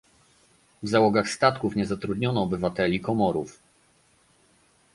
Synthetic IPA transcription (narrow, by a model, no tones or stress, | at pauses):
vzawɔɡaxst̪at̪kufɲɛzat̪ɾud̪ɲɔnɔːbɘvat̪ɛlʲikɔmɔɾuf